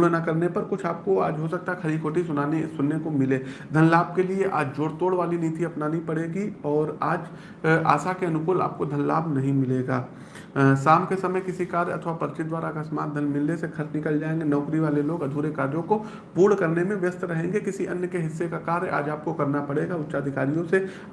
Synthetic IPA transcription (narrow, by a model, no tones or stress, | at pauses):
pːɽnakɐɾnepɐɾkʊt͡ʃʰaːp̚koaːd͡ʒɦosɐk̚t̪akʰɐɾikʰoːʈisʊnaːnesʊnːekomɪleːd̪ʱɐnlaːb̚kelieʔa̰ːd͡ʒd͡ʒoːɽt̪oːɽʋaːliniːt̪iɐpnaːnĩpɐɽeːɡiɔːɾaːd͡ʒ | a̰ːsakeɐnʊkʊːla̰ːp̚kod̪ʱɐnlaːbnɐɦĩmɪleːɡaː | saːmkesɐməjkɪsikaːɾjɐ̰t̪ʰʋapɐɾɪt͡ʃɪt̪̚d̪ʋaːɾakəsmaːt̪̚d̪ʱənmɪlnesekʰɐɾt͡ʃnɪkəld͡ʒaːẽːŋɡenɔːkɾiʋaːleloːɡɐd̪ʱuːɾekaːɾjõko | puːɽkɐɾnemẽʋjəst̪ɾɐɦẽːŋɡekɪsiʔɐ̰njəkeɦɪsːekakaːɾjʔa̰ːd͡ʒaːp̚kokɐɾnapɐɽeɡaʊtːʃaːd̪ʱɪkaːɾijõse